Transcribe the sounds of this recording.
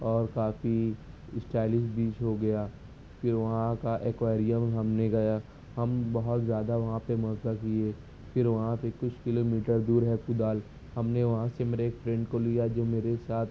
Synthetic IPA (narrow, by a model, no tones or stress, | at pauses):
ɔːɾkaːfi | ɪsʈɛːlɪʃbiːt͡ʃɦoɡɐjaː | fɪɾʋɐɦãkaʔeːkwaːɾijəmɦɐmneɡɐja | hɐmbɐɦɔt̪zjaːd̪aʋɐɦãpemɐːkakieː | fʰɪɾʋɐɦãsekʊt͡ʃʰkɪloːmiːʈəɾd̪uːɾɦɛkʊd̪aːl | hɐmneʋɐɦãsemeːɾeeːkfɾɛ̃ɳɖkolijad͡ʒoːmeːɾesaːt̪ʰ